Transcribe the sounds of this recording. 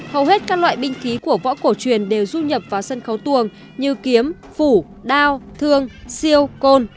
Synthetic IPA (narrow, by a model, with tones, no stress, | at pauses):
hə˨˩wɦe˦˥t̚kaː˦˥k̚lwa̰ː˧˨jɓï˧ŋ̟xi˨˦ku˧˩əvɔ̰˧˥ko˧˩t͡ɕwi˨˩ənɗe˨˩wzu˧ɲə˨˩p̚vaː˨˩wsə˧nxə˨˦wt̪u˨˩əŋ | ɲɨ˧ki˨˦əm | fu˧˩ | ɗaː˧wt̪ʰɨ˧əŋsi˧əwko˧n